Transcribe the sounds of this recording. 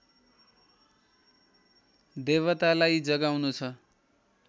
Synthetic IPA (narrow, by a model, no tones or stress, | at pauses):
d̪eβʌt̪alajd͡zʌɡawnut͡sʰʌ